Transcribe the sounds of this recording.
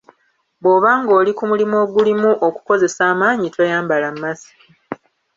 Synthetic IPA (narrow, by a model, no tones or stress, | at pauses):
bo̞ːβaŋɡo̞ːlikumulimo̞ːɡulimuʔoku̥ko̞ze̞saːmaːɲitwejaːmbalamːasi̥